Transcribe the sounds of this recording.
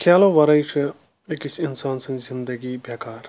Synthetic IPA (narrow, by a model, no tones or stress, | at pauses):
kʰaːloːʋɐɾɐjt͡ʃʰi | ekisinsaːnsɐ̃nzind̪ɐɡibjɐːkaːɾ